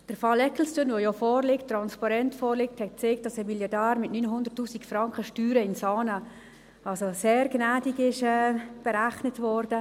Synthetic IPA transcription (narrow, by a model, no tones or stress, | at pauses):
d̥əɾfɑlɛkl̩stənʋojɔfɔːɾlɪkttːɾɑnspɑɾɛntfɔːɾlɪk̚thɛt̚t͡sek̚t̚d̥ɑsəmiljɑdæːɾmɪtnyːnɦʊndəɾrtːuːsikfɾɑŋkχəʃtyːɾəɪnsɑːnə | ɑlsoseːɾɡnæːdikɪʃɛːb̥ɛɾæχnətvɔːɾdə